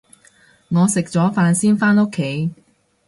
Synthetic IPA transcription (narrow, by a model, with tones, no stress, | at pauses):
ŋɔː˨˧sɪ˨k̚t͡sɔː˨˥faː˧nsiː˥nfaː˥no˥kʰːe˨˥j